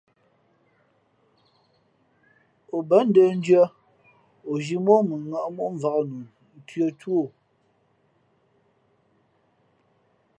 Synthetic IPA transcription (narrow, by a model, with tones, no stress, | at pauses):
o˨bə˦n̩˦də˦n̩˦d͡ʒɥə˦ | o˨ʒi˦mo˦mə˨ŋa˨ʔmo˦ʔm˨va˨knu˨˦ | tɥə˦two˦˨